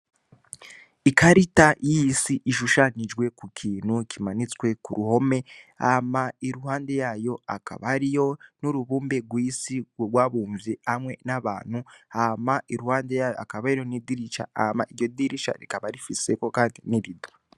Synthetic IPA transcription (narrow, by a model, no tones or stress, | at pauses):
ikaɾitajiisiʔiʃuʃaɲid͡ʒɡwe̞kukʰiːn̥hukʰimanit͡swe̞kuɾuho̞me̞a̰maiɾuhaːnde̞jajo̞aka̰βaɾijo̞nuɾuβuːmbeɡwisiɡwaβuːɱvjehamwe̞naβa̰ːn̥huamaiɾuhaːndejajoakaβaɾiɾo̞nidiɾiʃa̰amaʔiɾɟodiɾiʃa̰ɾikaβaɾifise̞ko̞kaːndiniβido